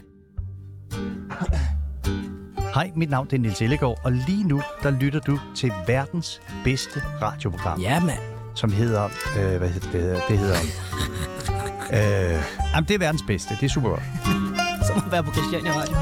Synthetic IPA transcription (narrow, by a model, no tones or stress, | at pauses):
hɑ̈ɪ̰mid̥nɑ̈ʊnd̥endelt͡sʰe̝ləɡ̥ɒ̰ːɒ̽liːnud̥ɑ̈lyɾ̥ɐd̥ut͡sʰe̝lʋæɐd̥n̩s | b̥esd̥əʁɑ̈ːd̥jo̝pʰo̝ɡ̥ʁɑ̈mn | sɒ̽mɦe̝ð̰ˠɐøʋæhe̝ð̰ˠɐd̥ed̥e̝he̝ð̞̰ˠɐ | ønɑɪmənd̥eɐʋæɐd̥n̩sb̥esd̥əd̥e̝æɐsṵːb̥ɐɡ̥ɒ̽d̥ | sɒnɒʋæɐpʰɒkʰʁusd̥ænʁɑ̈ɪ̥